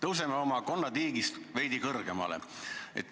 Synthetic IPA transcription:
t̪ɤws̬emeo̞mɑko̞nːɑd̪iːɡist̪vejd̪̥ikɤrɡ̥e̞mɑ̰lḛḛt̪ː

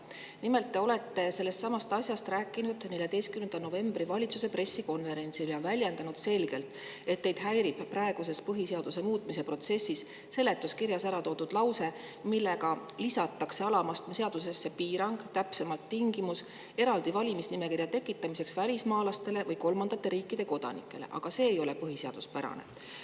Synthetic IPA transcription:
nime̞lt̪ːe̞o̞le̞t̪ːe̞se̞lːe̞st̪sɑmɑst̪ɑsʲjɑst̪rɾæːkːˑinud̪̥ne̞lʲjɑd̪ejst̪kymend̪̥ɑno̞ve̞mb̥ɾivɑlʲit̪suse̞pre̞sːiko̞nve̞ɾe̞nʲt̪siljɑvælʲjend̪ɑnud̪̥se̞lɡe̞lt̪ˑ | e̞t̪ːe̞jd̪̥ɦæjɾib̥pːrɑeɡ̥use̞spɤɦise̞ɑd̪̥use̞muːt̪ˑmise̞pro̞t̪se̞sːis | se̞lːe̞t̪ˑːuskiɾjɑsæɾɑt̪o̞ːd̪ud̪̥lɑwse̞ | milːe̞ɡɑlisɑt̪ːˑɑkse̞ɑlɑmɑst̪mse̞ɑd̪̥us̬e̞sːe̞piːɾɑŋɡ̥t̪æpse̞mɑlt̪ːiŋɡ̥imus | e̞ɾɑld̪ivɑlʲimisnime̞kirjɑt̪e̞kːˑit̪ːˑɑmise̞ksvælʲismɑːlɑst̪e̞le̞vɤjko̞lmɑnd̪ɑt̪ːe̞ɾiːkˑːid̪̥e̞ko̞d̪̥ɑ̰nḭkːˑe̞le̞̰ʔɑ̰ɡ̥ɑse̞ːjo̞le̞pɤɦise̞ɑ̰d̪̥uspæɾɑ̰nḛ

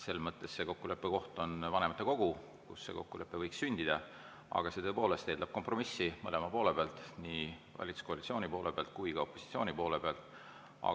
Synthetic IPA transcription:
se̞lmɤt̪ːˑesːe̞ko̞kːule̞pːe̞ko̞ht̪o̞nvɑne̞mɑt̪ːeko̞ɡ̥u | kṵsːe̞̰ko̞kːule̞pːe̞vɤjksːynʲd̪id̪̥ɑ | ɑ̰ɡ̥ɑse̞t̪ɤpo̞ːle̞st̪eːd̪ɑb̥̚ko̞mpro̞misːimɤlemɑpo̞ːle̞b̥eɑlt̪niːvɑ̰lʲit̪su̥ko̞ɑlitsio̞ːnʲipo̞ːlʔe̞peɑ̰lt̪̚kujkɑopːosi̥t̪sio̞ːnʲipo̞ːle̞peɑlt̪ˑ | ɑ̰

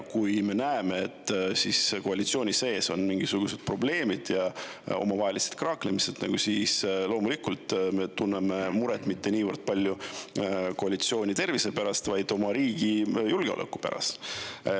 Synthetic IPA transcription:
kujme̞næeme̞et̪ːsisko̞ɑlʲit̪sio̞ːnʲise̞ːso̞nmiŋɡ̥isuɡ̥use̞d̪̥̚pro̞ble̞ːmid̪̥jɑo̞̰mɑvɑɦelise̥t̪̚krɑːklemiset̪nɑɡ̥usiːslo̞ːmulikˑult̪ːme̞t̪unːeme̞muɾɛt̪ˑmit̪ːe̞niːvərd̪̥̚pɑlʲːju | ko̞ɑlit̪sio̞ːnʲit̪e̞rvise̞pæɾɑst̪vɑjd̪̥o̞mɑɾiːɡ̥ijulɡ̥eo̞̰lḛkːˑu̥pæ̰ɾɑ̰s

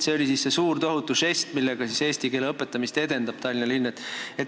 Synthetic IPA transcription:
t̪se̞o̞lʲisisːe̞suːrt̪o̞ɦut̪ːˑuse̞st̪milːeɡ̥ɑsise̞ːsʲt̪ike̞leɤpːe̞t̪ːˑɑmist̪e̞d̪e̞nd̪ɑb̥t̪ɑlʲinɑlinːet̪ːˑe̞t̪

